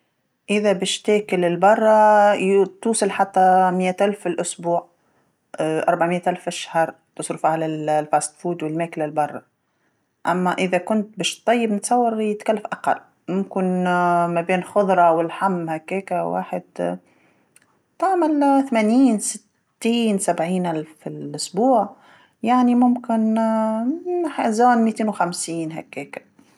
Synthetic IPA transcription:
ʔɪðæbɛːʃt̪æːkɪlɪlbɑrˤːɑ | t̪uːsˤɨlħat̪ːæmɪjːæt̪ʔælfɪlʔʊsbuːʕ | ʔɑ̰ɾˤbaʕmɪjːæt̪ʔælfʔaʃhɑɾˤ | t̪ʊsˤɾufʕalæfæst̪fuːd̪wɪlmæːklalbɑrˤːɑ | ʔæmːæʔɪðækʊnt̪̚bɛːʃt̪ˤːɑjːəbnɪt̪sˤɑwːɑɾˤjɪt̪kalːafʔaqɑ̰lː | mʊmkɪnmæbeːnxʊðˤɾˤɑwɪlħamːhakːeːkawa̰ːħɪd̪ | t̪aʕmalθmæniːnsɪt̪ːiːnsabʕiːnʔalfɪlʔʊsbuːʕ | jaʕnimʊmkɪn | ħzoːnmiːt̪eːnwxamsiːnɦæ̰kːeːkḁ

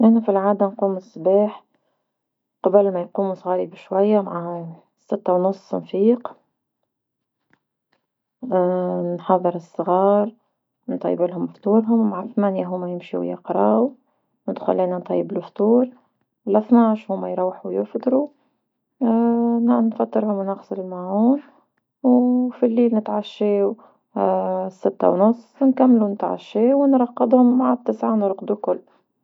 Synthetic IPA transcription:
ʔɪnæfilʕaːd̪anquːmɨsˤːbaːħ | qɑbəlmajquːmusˤɣɑːɾibʃwajːamaʕa | sɪt̪ːawnʊsˤːnfiːq | nħɑðˤːɨɾˤɨsˤːɣɑːɾˤ | nt̪ˤɑ̰jːbɪlhʊmft̪ˤuːɾɦʊmːaʕaθmæːnjaɦʊmːajɪmʃḭwjɪ̰qɾˤɑːw | nɪd̪xʊ̰lːiːnant̪ˤʰɑ̰jːɪbluft̪ˤuːɾ | lʔaθnaːʃhʊmːajɾˤuːħuwjɪfd̪ˤɾu | nnfɑt̪ːɨɾhʊmwnaxsˤɪllmaʕuːn | wfilːiːlnɪt̪ʕaʃːeːw | sːɪt̪ːa̰wnʊsˤːnkamːlunɪt̪ʕa̰ʃːeːwnɾˤɑqːɪd̪ˤhʊmːaʕat̪ːɪsʕanəɾˤqd̪ukʊlː

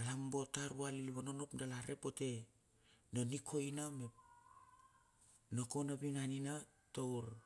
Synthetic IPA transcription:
alambo̞taɾualiliβanonopdalaɾepo̞te̞ | no̞nikʰo̞jnamep̚ | noko̞nabinanina | towɾ

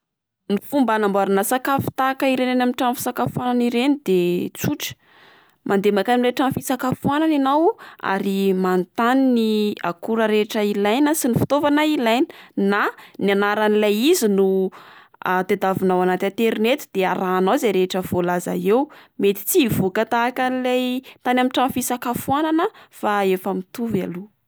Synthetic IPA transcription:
nifumbanambaɾanasakafi̥t̪akəiɾenenamiʈ͡ʂamfi̥sakafuananiɾenid̪̥et͡suʈ͡ʂə̥ | mʔand̪emakanileʈ͡ʂamfisakafuanananawa̰ɾimant̪aninia̰kuɾəɾeʈ͡ʂəilajnəsinifi̥t̪ovanailajni̥nanianaɾanilajizinu | ad̪ed̪avinawanat̪ẽt̪eɾnet̪i̥d̪̥eaɾaːnawzeɾeʈ͡ʂəv̥olaza̰ewmet̪i̥t͡sivokat̪aːkanilajt̪anamiʈ͡ʂamfisakafuananəfaefəmit̪uva̰lu

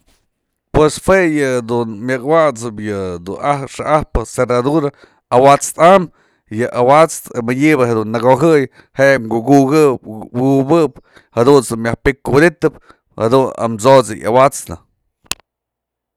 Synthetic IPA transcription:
pwesfwejɨd̪unmjɨkwat͡sɨpjɨd̪unahʂaʔahpɨserad̪uɾa | awat͡st̪am | jɨʔawat͡st̪mɨɲibɨhed̪unːaɡoɦɨj | heʔŋɡuɡuɡɨɡubɨp̚ | had̪unsumʲjahpikːud̪it̪ɨp | had̪una̰mt͡sot͡sɨ̰ja̰wat͡snɨ̰

